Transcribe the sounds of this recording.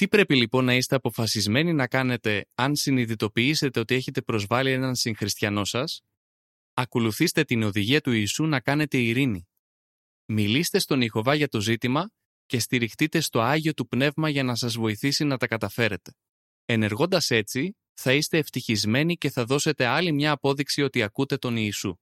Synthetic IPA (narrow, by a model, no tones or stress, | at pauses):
t̪ipɾe̞pilipo̞nːɐist̪e̞ɐpo̞fɐsizme̞ninɐkɐne̞t̪e̞ɐnsiniðit̪o̞piise̞t̪e̞o̞t̪ie̞çe̞t̪e̞pɾo̞zvɐlie̞nɐnsiŋxɾist̪çɐno̞sɐs | ɐko̞luθist̪e̞t̪ino̞ðiʝiɐt̪uiːsunɐkɐne̞t̪e̞iɾini | milist̪e̞st̪o̞nixo̞vɐʝɐt̪o̞zit̪imɐ | ce̞st̪iɾixt̪it̪e̞st̪o̞ɐʝio̞t̪upne̞vmɐʝɐnɐsɐzvo̞iθisinɐt̪ɐkɐt̪ɐfe̞ɾe̞t̪e̞̥ | e̞ne̞ɾɣo̞nd̪ɐse̞t͡si | θɐist̪e̞ːft̪içizme̞nice̞θɐðo̞se̞t̪e̞ɐlimɲɐːpo̞ðiksio̞t̪iɐkut̪e̞t̪o̞niːsu